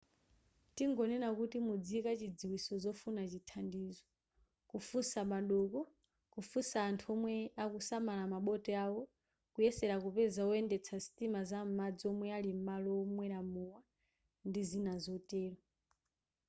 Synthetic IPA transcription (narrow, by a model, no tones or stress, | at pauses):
tiŋɡɔnɛnakutimud͡zikat͡ʃid͡ziwisɔzɔfunat͡ʃitʰandiːzɔ | kufusamaɗɔkɔ | kufusaːntʰuɔmwɛakusamalamaɓɔtʼɛawɔ | kujɛsɛɾakupɛzaɔɛndɛt͡sʰasi̥tʼimazam̩mad͡ziɔmwɛalim̩malɔːmwɛɾamuwa | ndizinazɔtʼɛːɾɔ